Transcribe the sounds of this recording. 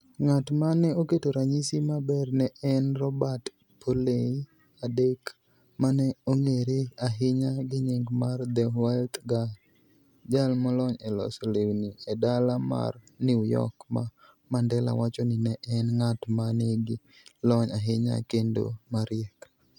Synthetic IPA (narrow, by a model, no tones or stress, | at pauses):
ŋatmanɛoketoɾaɲisimabɛrnɛʔɛnrɔbat | pʰolei | adek | manɛoŋeɾeaɦɪɲaɡɪɲɪŋɡmard̪ɛwalt̪ɡa | d͡ʒalmɔlɔɲɛlɔ̰slewniɛdalama̰r | nijɔ̰kma̰ | mandɛla̰wat͡ʃɔnɪnɛʔɛnŋatmaneɡɪ | lɔɲaɦɪɲa̰kendo̰maɾɪɛk